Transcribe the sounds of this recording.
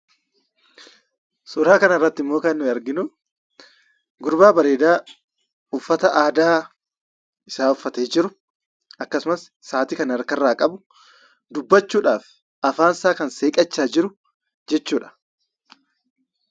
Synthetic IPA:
sʊːɾaːkɐnɐɪrːɐt̪ːɪmːo̞ːkɐnːʊɐɾɡɪnʊ | ɡʊɾbaːbɐɾeːd̪aː | ʊfːɐt̪ɐʔaːd̪aː | ɪsaːʊfːɐt̪eːd͡ʒɪɾʊ | ɐkːɐsʊmɐsːaːt̪ɪkɐnɐɾkɐrːaːkʼɐbʊ | d̪ʊbːɐt͡ʃːuːᶑaːf | ɐfaːnsaːkɐnseːkʼɐt͡ʃːaːd͡ʒɪɾʊ | d͡ʒɛt͡ʃːuːᶑɐ̥

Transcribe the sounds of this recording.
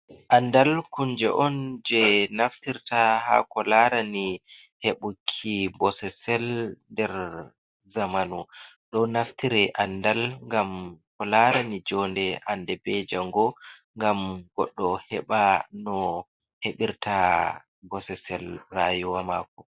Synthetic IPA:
ʔandalkund͡ʒɛ̰ʔɔnd͡ʒɛnaftiɾtaha̰kɔlaɾani | heɓukʰːibɔsɛsɛlndɛɾ | zamanuɗɔnaftiɾɛʔandalŋɡamkɔlaɾanid͡ʒɔndɛʔandɛbɛd͡ʒaŋɡɔŋɡamɡɔɗːɔhɛɓanɔ | heɓiɾta | bɔsɛsɛlrajuwamakɔ

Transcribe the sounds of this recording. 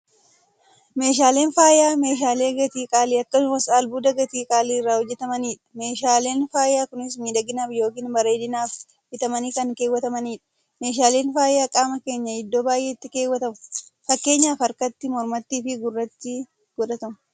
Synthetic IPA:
me̞ːʃ̬aːle̞ːnfaːjaːme̞ːʃ̬aːle̞ːɡɐt̪iːkʼaːliːɐkːɐsʊmɐsaːlbuːd̪ɐɡɐt̪iːkʼaːliːɪrːaːhɔd͡ʒːɛt̪ɐmɐniːᶑɐ̥me̞ːʃaːle̞ːnfaːjaːkʊnɪs̬miːᶑɐɡɪnaːbjo̞ːkiːnbɐɾeːd̪ɪnaːf | hɪt̪ɐmɐniːkɐŋkeːwːɐt̪ɐmɐniːᶑɐ̥ | me̞ːʃ̬aːle̞ːnfaːjaːkʼaːmɐke̞ːɲːɐɪd̪ːo̞ːbaːjʔe̞ːɪt̪ːɪke̞ːwːɐt̪ɐmʊfɐkːe̞ːɲːaːfɐɾkɐt̪ːɪmɔɾmɐt̪ːiːfɪɡʊrːɐt̪ːɪ | ɡ̥ɔᶑɐt̪ɐm

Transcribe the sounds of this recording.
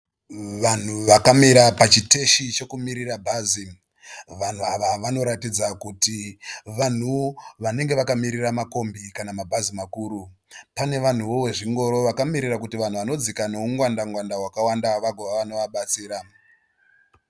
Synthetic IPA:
ʋan̤uʋakamiɾapat͡ʃite̞ʃit͡ʃe̞kumiɾirabʱazi | ʋan̤uaʋaʋano̞ɾatid͡zakutiʋan̤uʋane̞ŋɡe̞ʋakamiɾiramako̞mbikanamabʱazimakuːɾu | pane̞ʋan̤uʋo̞we̞ʐiŋɡo̞ɾo̞ʋakamiɾirakutiʋan̤uʋano̞d͡zikanouŋɡwandaŋɡwandawakawandaʋaɡʱoʋaʋano̞ʋaɓat͡siːɾa

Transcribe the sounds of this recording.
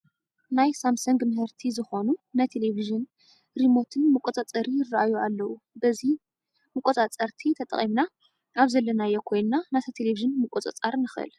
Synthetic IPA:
najsamsɐŋɡmɨɦɨɾt̪ʰizɨxo̞nunajt̪ʰe̞leviʒɨn | ɾimo̞t̪ʰɨnmɨkʷʼot͡s̪ʼat͡sʼɐɾijɪrːaʔajualːɐwu | bɐzi | mɨkʼot̪ʼat͡sʼɐɾt̪ʰit̪ʰɐt̪ʼɐ̰χʼimna | aβzɐlːɐnajɛkʰo̞jnnanat̪ʰɐt̪ʰeleviʒɨnmɨkʷʼot͡sʼɐ̰t͡sʼaɾnɨxʔɨ̰l

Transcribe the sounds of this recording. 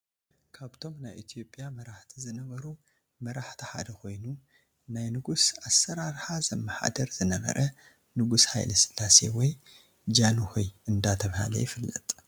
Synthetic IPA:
kʰaβt̪ʰo̞mnajʔit̪ʰijopʼːijamɐɾaħt̪ʰizɨnɐβɐɾu | mɐɾaħt̪ʰiħa̰d̪ɐkʰo̞jnu | najnɨɡusasːɐɾaɾħazɐmːɐħa̰d̪ɐɾzɨnɐβɐ̰ɾʔɐ | nɨɡusha̰jlɐsɨ̥lːasḛwɔj | d͡ʒanuhojʔɨnd̪at̪ʰɐβha̰lɐ̰jɪfɨlːɐ̰t̪ʼ

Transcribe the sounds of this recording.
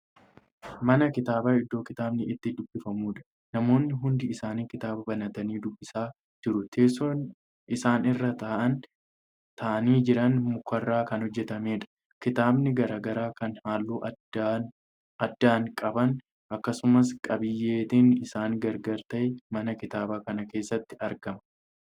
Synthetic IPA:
mɐnɐkɪt̪aːbaːɪd̪ːo̞ːkɪt̪aːbnɪɪt̪ːɪd̪ʊbːɪfɐmuːᶑɐ̥ | nɐmo̞ːnːɪɦʊnd̪ɪːsaːniːkɪt̪aːbɐbɐnɐt̪ɐniːd̪ʊbːɪsaː | d͡ʒɪɾʊt̪ʰeːson | ɪsaːnɪrːɐt̪ɐːʔɐn | t̪ɐʔɐniːd͡ʒɪɾɐnmʊkːɐrːaːkɐnhɔd͡ʒːɛt̪ɐme̞ːᶑɐ̥ | kɪt̪aːbnɪɡɐɾaːɡɐɾaːkɐnhaːlːuːʔ | ɐd̪ːaːŋkʼɐbɐn | ʔɐkːɐsʊmɐs̬kʼɐbɪjːe̞ːt̪ɪnɪsaːŋɡɐɾɡɐɾt̪ɐjmɐnɐkɪt̪aːbaːkɐnɐke̞ːsːɐt̪ːɪ̥ɐɾɡɐmɐ

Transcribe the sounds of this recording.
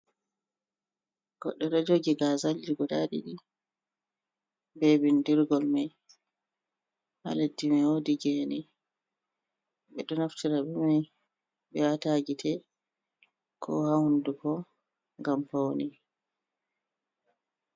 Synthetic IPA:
ɡ̥ɔ̰ɗːɛɾɛd͡ʒoɡiɡazald͡ʒiɡɔɗaɗḭɗi | bebindiɾɡɔlmaj | ha̰ledːimɛodiɡɛnɛ | ɓɛɗɔnaftʰiɾabɛmaj | ɓɛwataɡitʰɛ | kʰɔ̰hahundukɔ | ŋɡampawni

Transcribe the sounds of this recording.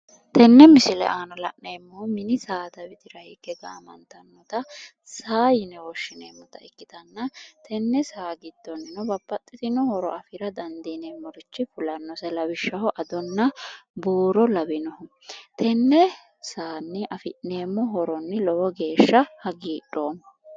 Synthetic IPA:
t̪ɛnːɛmɪsɪlɛ̰ʔaːnɐlɐ̰ʔneːmːɔmɪnɪsaːd̪ɐbɪt̪ɪɾɐhɪɡɛɡa̰ːmɐ̰nt̪ɐnːɔt̪ɐ | saːjɪnɛwɔʃːɪnḛːmːɔt̪ɐɪkːɪt̪ɐnːɐt̪ʰɛnːɛsaːɡɪd̪̥ːɔnːɪnɔbɐpːɐt̪ʼːɪt̪ɪnɔhɔɾɔ̰ʔɐfɪɾɐd̪ɐnd̪ineːmːɔɾɪt͡ʃːɪpʊlɐnːɔsɛlɐbɪʃːɐhɔʔɐd̪ɔnːɐbuːɾɔlɐbɪnɔh | t̪ʰɛnːɛ | saːnːɪʔɐfɪʔneːmːɔɦɔɾɔnːɪlɔwɔɡe̞ːʃːɐhɐɡiːᶑoːmːɔ

